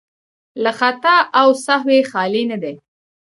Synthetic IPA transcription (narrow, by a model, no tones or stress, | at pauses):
laxat̪aʔawsaɦwexɑlinad̪e